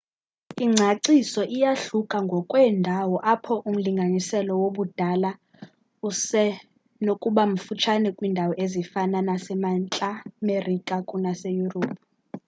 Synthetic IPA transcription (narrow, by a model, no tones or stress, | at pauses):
iŋ͡ǀʱaǀisɔʔijaɬukʼaŋɡʱɔkʼwɛndʱawɔʔapʰɔʔum̩liŋɡʱanisɛlɔwoɓud̥ʱala | usɛ | nokʼuɓam̩fut͡ʃʰanɛkʼwiːndʱawɔʔezifananasɛmant͡ɬʼamerikʼakʼunasejuroːpʰu